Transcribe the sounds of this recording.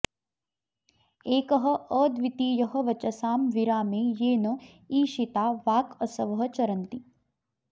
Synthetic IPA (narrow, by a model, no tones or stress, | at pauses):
eːkɐɦɐ̆əːd̪ʋit̪iːjɐɦɐ̆ʋɐt͡ʃɐsaːmʋiɾaːmeːjeːnɐ | iːʃit̪aːʋaːkɐsɐʋɐɦɐ̆t͡ʃɐɾɐnt̪i